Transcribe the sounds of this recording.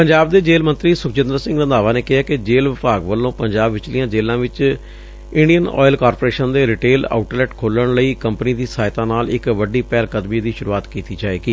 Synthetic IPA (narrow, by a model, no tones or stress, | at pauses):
pəɲd͡ʒaːb̚d̪eːd͡ʒeːlmə̃nt̪ɾiːsʊkt͡ʃɪ̃nd̪əɾsɪ̃ŋɡɾə̃nd̪aːʋaːneːkɪɦaːkɪd͡ʒeːlʋɪpaːɡʋəlːõːpəɲd͡ʒaːbʋɪt͡ʃlijãːd͡ʒeːlãːʋɪt͡ʃ | ɪɳɖijənɔ̰ːɪlkaːɾpoːɾeːʃənd̪eːɾɪʈeːla̰ːʊʈlɛːʈkʰoːləɳləiːkəmpniːd̪iːsaːɪt̪ãːnaːlɪkʋəɖiːpɛːlkəd̪miːd̪iːʃʊɾuːaːt̪kiːt̪iːd͡ʒaːeːɡiː